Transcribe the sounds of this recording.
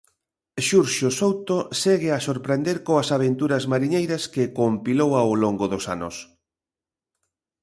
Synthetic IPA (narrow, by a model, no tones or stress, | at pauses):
ʃuɾʃosowt̪oseɣeasoɾpɾend̪eɾkoɐsaβ̞ent̪uɾɐzmaɾiɲejɾɐskekompilowawloŋɡoðosa̰nʊ̰s